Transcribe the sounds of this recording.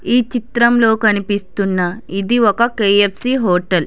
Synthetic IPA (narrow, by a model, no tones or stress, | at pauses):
iːt͡ʃit̪ɾɐmlo̞ːkɐnipist̪unːɐid̪iɔkɐkeːepʰsiːɦoːʈɐl